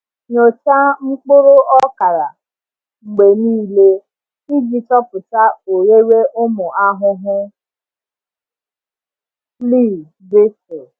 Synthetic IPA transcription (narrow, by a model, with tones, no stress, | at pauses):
ɲo˨t͡ʃa˦ŋ͡m̩˦k͡pʊ˦ɾo˦ʔɔ˦ka˨ɾa˨ | ŋ͡m̩˨ɡ͡be˨niː˦le˦ | i˦ɡi˨tɔ˦pʊ˨ta˦o˨ɾe˦ɾe˦ʔʊ˦mʊ˨a˦ɦʊ˦ɦʊ˦ | li˦˨ | bɪ˦sɪ˨